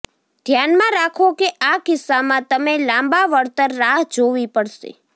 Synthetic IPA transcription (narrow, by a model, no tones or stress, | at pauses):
d̪ʱjanmãɾakʰokeʔakɪsːamãt̪əmelãmbaʋəɽt̪əɾːaɦd͡ʒoʋipəɽʃḛ